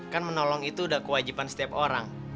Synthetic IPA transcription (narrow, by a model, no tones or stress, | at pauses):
kanmənɔlɔŋit̪uːdahkəwad͡ʒipansə̥t̪iapoɾa̰ŋ